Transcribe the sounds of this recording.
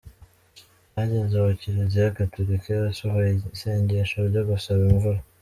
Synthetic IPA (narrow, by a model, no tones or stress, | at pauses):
naɟenzaβuciɾizijakatoɾikeasoɦojseːɲɟeʃoɾɟoɡusaβiɱvuɾa